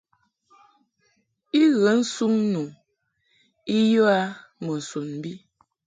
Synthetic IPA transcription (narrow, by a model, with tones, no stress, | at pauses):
i˦ɣə˨˦n̩˦su˦ŋnu˨ | i˦jo˦a˦mə˨n̩˨su˨nm˨bi˦